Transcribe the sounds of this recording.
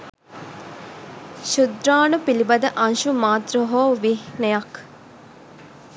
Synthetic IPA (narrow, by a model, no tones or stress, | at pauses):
ʃud̪ɾaːnupilibɐd̪əʔɐnʃumaːt̪rəɦoːʋihnejɐk